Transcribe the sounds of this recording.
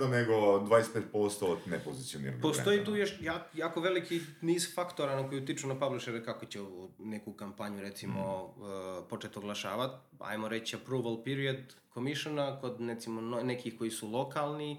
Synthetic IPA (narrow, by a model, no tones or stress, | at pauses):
d̪aneɡod̪ʋaːjest̪peːt̪̚post̪od̪nepozit̪ijonḭɾapost̪o̞jiːt̪uːjoʃjaːkjaːkoʋe̞likiniːzfakt̪oɾanokojut̪it͡ʃunapabliʃeɾekakot͡ɕeoune̞kukampaɲuɾe̞t̪simo̞ | po̞t͡ʃet̪oɡlˠaʃa̰ːʋat̪ | a̰jmoɾet͡ɕapɾuːʋalpiɾiad̪ | komiʃanakod̪net̪simononekixko̞jisulˠo̞kalˠni